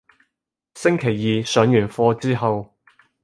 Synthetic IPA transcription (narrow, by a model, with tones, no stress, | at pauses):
sɪ˥ŋkʰe˨˩jːiː˨˧sœː˨˥ŋjyː˨˩nfɔː˧t͡siː˥ɦɐ˨w